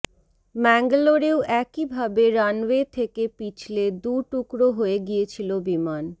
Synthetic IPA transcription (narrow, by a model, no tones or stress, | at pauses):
mɛŋɡloɾeoʔɛkibʱabeɾanwet̪ʰekepit͡ɕʰled̪uɾʈukɾoɦoeɡiet͡ɕʰilobiman